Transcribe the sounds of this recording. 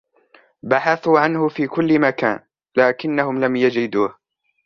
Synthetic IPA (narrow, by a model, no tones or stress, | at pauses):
baħaθuːʕanhʊfiːkʊlːɪmakaːn | laːkɪnːahʊmlamjad͡ʒɪd̪uːh